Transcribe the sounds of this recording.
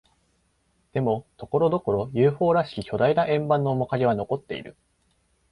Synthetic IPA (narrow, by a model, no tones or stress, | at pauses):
d̪̥e̞mo̞t̪o̞ko̞ɾo̞d̪o̞ko̞ɾo̞jɯːɸo̞ːɾaɕi̥kʲikʲo̞d̪ainaʔẽ̞mbãnːoːmo̞kaɾʲiβ̞ano̞ko̞t̪ːe̞ḭɾɯ̟̰